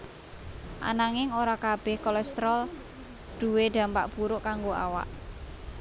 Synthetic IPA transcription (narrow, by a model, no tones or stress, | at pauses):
ʔa̰naŋɪŋoɾakab̥ɛhkɔlɛst̪ɾɔl | d̥ṳweɖ̪̥a̤mpa̰ʔb̥uɾʊʔkaŋɡoa̰wa̰ʔ